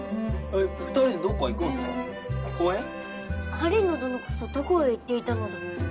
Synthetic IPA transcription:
ekakɯ̥t̪oɾid̪ed̪oːkoikoːsɨo | koe | kʰaɾʲinod̪onokɯ̥sot̪okoit̪ːe̞it̪ano̞d̪a

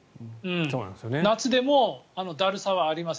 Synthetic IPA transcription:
ɯ̟̃ɴsoːna̰nsjonenat͡sɨd̪e̞mo̞ano̞d̪aɾɯ̟saβaːɾʲimas

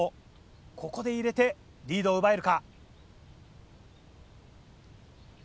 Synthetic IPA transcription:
o | kʰo̞ko̞d̪e̞iɾe̞t̪e̞ | ɾʲiːd̪oːɯbae̞ɾɯ̟ka

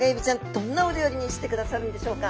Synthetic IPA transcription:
ɡebʲit͡ɕãnd̪̥õ̞nːaod̪ʲejoɾʲiɲ̟iɕi̥t̪e̞kɯ̟d̪asaɾɯ̟nd̪e̞ɕo̞ːka

